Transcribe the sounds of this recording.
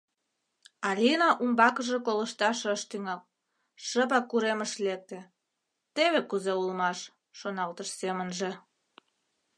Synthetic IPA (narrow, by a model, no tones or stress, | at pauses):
ɑlʲinɑʔumbɑkəʒĕkoləʃt̪ɑʃəʃt̪yŋɑl | ʃəpɑkuɾeməʃlek̚t̪ĕ | t̪eβekuzeulmɑʃː | onɑlt̪əʃsemənʒĕ